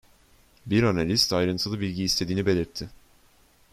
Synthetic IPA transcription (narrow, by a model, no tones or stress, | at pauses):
biɾanalʲist̪ajɾɯnt̪ʰɯlˠɯbilʲɟiːst̪ʰe̞d̪iːnibe̞lʲiɾt̪ʰːɪ